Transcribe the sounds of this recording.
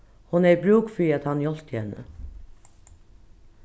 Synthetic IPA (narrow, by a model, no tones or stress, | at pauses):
hʊnæɾbɾuːkfɹiːɑt̪hɑnjɔlt̪ʰɛnə̰